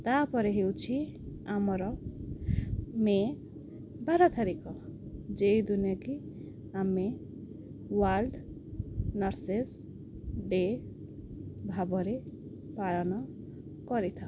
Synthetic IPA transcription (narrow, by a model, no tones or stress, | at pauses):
t̪apɔɾeɦewt͡ʃʰiamɔɾɔ | me | baɾɔt̪ʰaɾikɔd͡ʒejd̪unijɔki | ame | walɖ | nɔɾses | ɖe | bʱabɔɾe | paɭɔnɔ | kɔɾit̪ʰa